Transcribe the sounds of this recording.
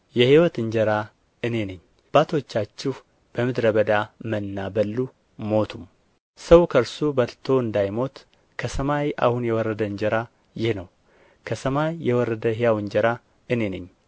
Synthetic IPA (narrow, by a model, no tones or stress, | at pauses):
jɛhiwɔt̪ɨɲd͡ʒəɾa | ɨne̞nɨɲː | b̥at̪ʰo̞t͡ʃːat͡ʃːɪh | b̥əmɨd̪ɾəbəd̪amənːabəlːu | mo̞t̪ʰum | səwkʰəɾsubəlt̪ʰo̞ɨnd̪ajmo̞t̪ | kʰəsəmajʔa̰hunjɛwɔrːəd̪əɨɲd͡ʒəɾa | jɪhnəw | kʰəsəmajːɛwɔrːəd̪əɦijawɨɲd͡ʒəɾa | ɨne̞nɨɲː